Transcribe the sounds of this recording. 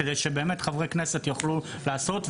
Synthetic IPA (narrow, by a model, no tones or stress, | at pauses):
ed̪ejʃebe̞ːmet̪χavʁekneset̪jaχlu | laːso̞tv